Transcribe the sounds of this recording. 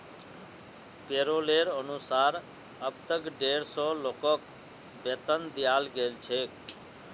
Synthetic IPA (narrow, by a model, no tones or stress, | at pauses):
peɾoleɾənusaːɾ | əbt̪əkɖeːɾsɔlokɔk̚ | bet̪ənd̪ijaːlɡelt͡ʃʰek